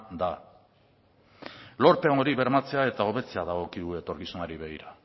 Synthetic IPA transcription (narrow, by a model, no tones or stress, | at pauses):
d̪a | lo̞ɾt̪eooɾiβe̞ɾmat͡se̞ae̞t̪aoβe̞t͡se̞aðaɣo̞kiðue̞t̪o̞ɾkisunaɾiβe̞ɣiɾa